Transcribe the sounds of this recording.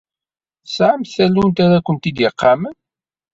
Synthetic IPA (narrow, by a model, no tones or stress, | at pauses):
sʕamθælunt̪aɾækʷːənt̪id̪jəqːɑmən